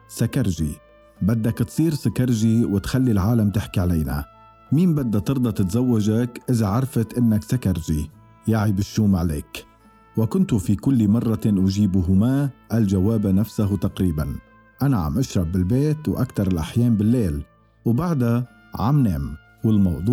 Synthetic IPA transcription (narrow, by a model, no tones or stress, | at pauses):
sakaɾˤʒi | bad̪ːakt̪sˤiːɾsakɑɾˤʒiwɪt̪xalːilʕaːlamt̪ɪħkiʕaleːna̰ | miːnbad̪ːat̪ɨɾd̪ˤɑt̪ɪt̪zawːaʒakʔɪzaʕɑɾˤfat̪ʔɪnːaksakaɾˤʒi | jaʕibɪʃːuːmʕalḛːk | wɪkʊnt̪ʊfikʊlːmɑrˤːɑʔʊʒiːbuɦʊmaːʔalʒawaːbanafsaɦt̪aqɾiːban | ʔanaʕa̰mʔaʃɾˤɑbːɪlbeːt̪wʔakt̪ɑɾˤɪlʔaħjeːmbɪlːeːl | wbaʕd̪a | ʕa̰mneːm | wɪlmɑwd̪ˤuː